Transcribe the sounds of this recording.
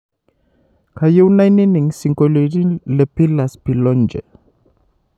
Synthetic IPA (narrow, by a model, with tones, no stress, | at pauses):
kaju˦wnajni˦ni˨ŋsi˨ŋkoli˨ɾi˦le˨pi˦laspi˨lɔnd͡ʒɛ˨